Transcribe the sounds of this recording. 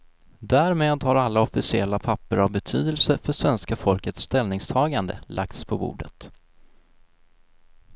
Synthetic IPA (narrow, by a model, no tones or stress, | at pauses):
d̪æːɾmeːd̪haɾalːaɔfɪsɪɛlːapʰapːəɾavbɛt̪ʰy̰ːd̪əlsəfœʂvɛnskafɔlkət̪st̪ɛlnɪŋst̪ʰɑːɡand̪ə̰lʔa̰k̚t̪spʰɔbṵːɖət̪